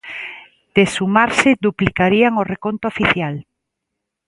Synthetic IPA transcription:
d̪̥esumaɾsɪðuplikaɾiaŋorekont̪ofiθjal

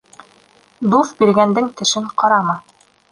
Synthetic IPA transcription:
d̪uθbiɾɡænd̪ɘŋk̪ɘ̆ʃɘɴqɑɾɑmɑ

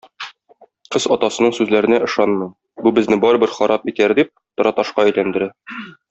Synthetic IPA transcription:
qɤzɒt̪ɑsɤ̆nɤɴsʉzlæɾɘ̆næʔɤ̆ʃɑnmɤj | bubɘ̆znɘbɒɾɤ̆bɘɾχɒɾʔɑpit̪æɾd̪ip̚t̪ɒ̆ɾɑt̪ɑʃqɑæjlænd̪ɘ̆ɾæ

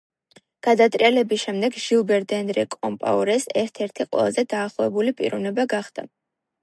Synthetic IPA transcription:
ɡ̥ad̪at̪ʼɾialɛbisʃɛmd̪ɛɡʒilˠbɛɾd̪ɛnɾɛkʼɔmpʼa̰uɾɛsɛɾt̪ʰɛɾt̪ʰiqʼwɛ̰lˠazɛd̪aːχlˠɔvɛbulipʼḭɾɔvnɛbaɡaχd̪̥a̰

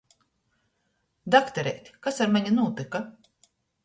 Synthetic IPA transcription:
d̪akt̪ɛɾɛjt̪ʲkasaɾmaɲʲunuːt̪ika

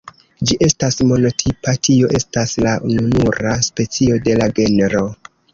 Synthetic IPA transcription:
d͡ʒiʔe̞stasmo̞no̞tʰipatʰio̞ʔe̞staslaununuɾaspe̞t͡sio̞de̞laɡe̞neɾo̞

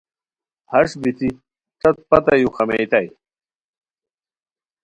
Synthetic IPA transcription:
hɐʂbit̪i | t̪ɐt̪̚pɐt̪ɐjuxɐmet̪ɐj

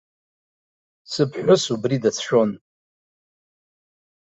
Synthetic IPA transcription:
sɨpʰħʷʊsubridat͡sʰʃon

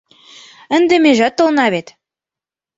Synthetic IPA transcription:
ə̆nd̪ĕmeʒæt̪ːɤ̆lnɑβet̪

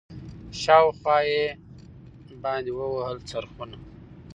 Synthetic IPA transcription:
ʃɑwxwɑje | bɑnd̪iwəwəhəlt͡saɾxuna

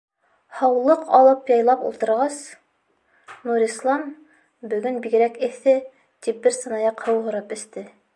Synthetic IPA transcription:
hɑwlˠɤqɑlˠɤpjɑjlˠɑpṵlˠt̪ɤ̆ɾʁɑs | nuɾislˠɑm | bɵ̆ɡɵnbiɡɘ̆ɾækɘ̆θɘ | t̪ip̚bɘɾsɤ̆nɑjɑqhɤwɦŏɾɤpɵ̆st̪ɘ

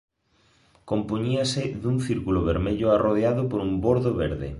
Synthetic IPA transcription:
kompoɲiasɪðuŋθiɾkuloβeɾmeʎoaroðeaðopoɾumboɾðoβeɾðḛ

